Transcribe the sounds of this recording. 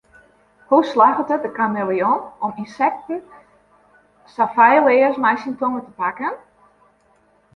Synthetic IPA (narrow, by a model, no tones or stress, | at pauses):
huslaɣətət̚dəkamɪlˠijɔnɔminsɛk̚tn̩ | safajlˠɪːəsmajsintoŋətəpakən